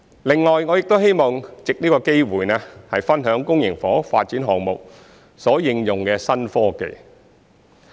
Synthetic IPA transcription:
lɪ˨˩ŋlɔː˨jŋɔː˨˧jɪ˨k̚t̪o˥whe˥jmɔː˨˩ŋt͡sɪ˨k̚niː˥kɔː˧ke˥jwuː˨˩jnɛː˥hɐ˨jfɐ˥nɦœː˨˥ŋkʊ˥ŋjɪ˨˩ŋfɔː˨˥faː˧t̚t͡siː˨˥nɦɔː˨ŋmʊ˨k̚ | sɔː˨˥jɪ˧ŋjʊ˨˩ŋkɛː˧sɐ˥nfɔː˥kḛ˨j

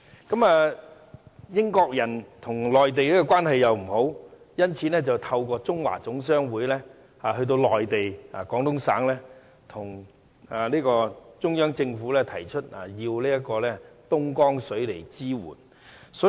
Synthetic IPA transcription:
kɐ˨˥maː˨˧ | jɪ˥ŋkɔː˧k̚jɐ˨˩nt̪ʰʊ˨˩ŋlɔː˨jt̪̬e˨jliː˥kɔː˧kʷwaː˥nhɐ˨jːɐ˨wm̩˨˩ho˨˥w | jɐ˥nt͡sʰiː˨˥nɛː˥t͡sɐ˨wt̪ʰɐ˧wkʷɔː˧t͡sʊ˥ŋwa̰ː˨˩t͡sʊ˨˥ŋs̬œː˥ŋwuː˨˥jlɛː˥ | haː˨hɵ˧ɥt̪̬o˧wlɔː˨jt̪e˨ja̰ː˨kɔː˨˥ŋt̪ʊ˥ŋsa̰ː˨˥ŋlɛː˥ | t̪ʰʊ˨˩ŋ | a˨liː˥kɔː˧t͡ʃʊ˥ŋjœː˥ŋt͡sɪ˧ŋfu˨˥lɛː˥t̪ʰɐ˨˩jt͡ʃʰɵ˥t̚a̰˨jiː˧wliː˥jɐ˥t̚kɔː˧lɛː˥t̪ʊ˥ŋkɔː˥ŋsɵ˨˥ɥle˨˩jt͡siː˥wṵː˨˩n | sɔː˨˥

